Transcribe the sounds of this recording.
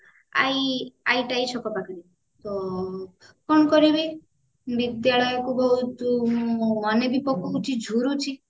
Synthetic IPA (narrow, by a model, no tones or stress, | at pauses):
a̰iajʈait͡ʃʰɔkɔpakaɾi | t̪ɔ | kɔɳ̃ɔkɔɾibi | bid̪jaɭɔjɔkuɡɔɦut̪umɔnebipɔkʰːɔkut͡ʃʰid͡ʒʱuɾut͡ʃʰi